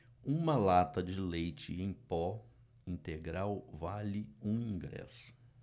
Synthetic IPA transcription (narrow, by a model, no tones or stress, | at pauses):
ũmɐlat̪ɐd͡ʒɪlejt͡ʃɪẽj̃pɔ | ĩnt̪eɡɾawvalɪũĩŋɡɾɛ̰sʊ̥